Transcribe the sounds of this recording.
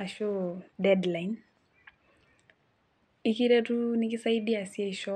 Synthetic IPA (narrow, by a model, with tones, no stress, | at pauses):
a˨ʃo˦dɛdla˨in | i˦ki˦ɾe˦tu˦ni˦kɪ˦sa˦i˦di˦a˨si˦e˦i˨ʃɔ˦